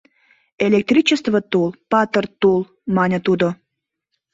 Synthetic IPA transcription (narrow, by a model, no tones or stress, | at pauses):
elʲek̚t̪rʲit͡ɕəst̪vət̪ulpɑt̪ərt̪ul | mɑnʲət̪ud̪o